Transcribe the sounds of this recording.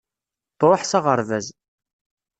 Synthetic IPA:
t̪ɾˤəħsɑʁəɾˤvæz

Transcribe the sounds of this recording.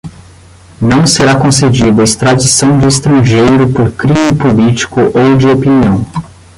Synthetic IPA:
nɐ̃w̃seɾakõsed͡ʒid̪ɐist̪ɾad͡ʒisɐ̃w̃d͡ʒɪːst̪ɾɐ̃ʒejɾʊpoɾkɾĩmɪpolit͡ʃi̥kʊʔowd͡ʒɪopiniɐ̃w̃

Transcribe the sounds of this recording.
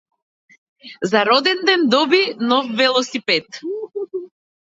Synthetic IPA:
zaɾɔd̪ɛnd̪ɛnd̪ɔbinɔfːɛlˠɔsipɛt̪

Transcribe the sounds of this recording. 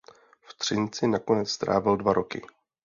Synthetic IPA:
ft̪r̝̥ɪnt͡sɪnako̞nɛt͡sst̪ɾʔa̰ːvɪldvaɾʔo̞kɪ̰

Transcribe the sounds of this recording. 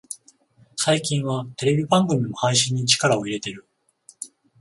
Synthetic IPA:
saikʲĩɰ̃βat̪e̞ɾe̞bʲibãŋɡɯ̟mʲimo̞haiɕĩɲ̟ːit͡ɕi̥kaɾao̞iɾe̞t̪e̞ɾɯ̟

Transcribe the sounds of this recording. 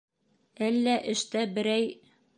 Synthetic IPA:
ælːæʔɘ̆ʃt̪æbɘ̆ɾæj

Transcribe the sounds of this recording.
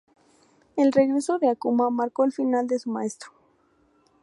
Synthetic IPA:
e̞lre̞ɣɾe̞soðeakumamaɾko̞elfinald̪e̞sumae̞st̪ɾo̥

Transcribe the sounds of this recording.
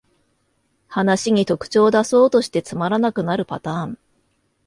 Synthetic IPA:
hanaɕiɲ̟it̪o̞kɯ̟̥t͡ɕo̞ːd̪aso̞ːt̪o̞ɕi̥t̪e̞t͡sɨmaɾanakɯ̟naɾɯ̟pat̪ãːɴ

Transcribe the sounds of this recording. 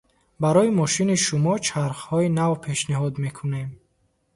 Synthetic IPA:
baɾɔimɔʃiniʃumɔt͡ʃʰaɾχhɔinavpʰe̞ʃniɦɔd̪me̞kʰunem

